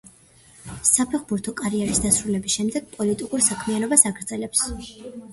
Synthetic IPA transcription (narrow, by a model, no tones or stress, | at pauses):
sapʰɛχbuɾt̪ʰɔkʼaɾiɛɾisd̪asɾulɛbisʃɛmd̪ɛɡ̥̚pʼɔlit̪ʼikʼuɾsakʰmianɔbasaɡɾd̪zʼɛlɛps